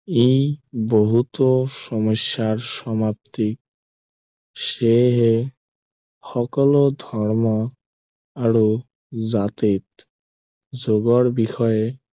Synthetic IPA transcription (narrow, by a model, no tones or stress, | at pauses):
ejboɦut̪oʃɔmoʃːaɾʃɔmap̚t̪ik̚ | ʃeɦe | xɔkɔlod̪ʱɔɾmɔ | aɾo | d͡ʑat̪it̪ | d͡ʑoɡoɾbixʰɔe